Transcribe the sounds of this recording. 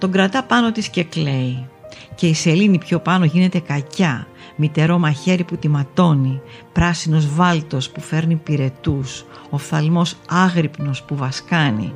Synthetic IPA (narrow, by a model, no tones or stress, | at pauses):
t̪o̞ɡɾɐt̪ɐpɐno̞t̪isce̞kle̞ice̞ise̞linipço̞pɐno̞ʝine̞t̪e̞kɐcɐ | mit̪e̞ɾo̞mɐçe̞ɾiput̪imɐt̪o̞nipɾɐsino̞zvɐlt̪o̞spufe̞ɾnipiɾe̞t̪us | ofθɐlmo̞sɐɣɾipno̞spuvɐskɐnḭ